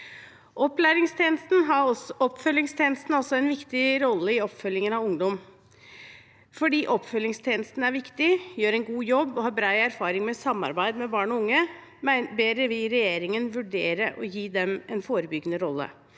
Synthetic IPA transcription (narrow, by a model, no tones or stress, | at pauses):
ʔɔpːlæɾɪŋst̪ʰeːnəst̪n̩ɦɑɔɔpːfœlːɪŋst̪ʰeːnəst̪n̩ɔsɔɛnʋɪkt̪ɪɾɔlːəɪɔpːfœljɪŋənɑʋʊŋd̪ɔm | fɔɖiːʔɔpːfœlːɪŋst̪ʰeːnəst̪n̩æɾʋɪkt̪ɪjøːɾɛnɡuːjɔbːɔɦɑːbɾɑːɪæɾfɑːɾɪŋmɛsɑmːɑ̰ɾbæɪd̪mɛbɑːɳɔʊŋːə | mbeːɾəʋɪlɾɛjeːɾɪŋənʋʉɖeːɾəʔɔ̰jiːd̪ɛmɛnfoːɾəbʏɡːənəɾɔlːə̰